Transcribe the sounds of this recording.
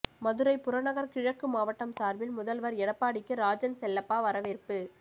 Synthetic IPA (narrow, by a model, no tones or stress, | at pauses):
mɐðɯɾɐɪpʊɾɐnɐɣɐɾkɪɻɐkːɯmaːʋɐʈːɐmsaːɾʋɪlmʊðɐlʋɐɾɛɽɐpːaːɽɪkːɯɾaːd͡ʒɐnsɛlːɐpːaːʋɐɾɐʋeɾpɯ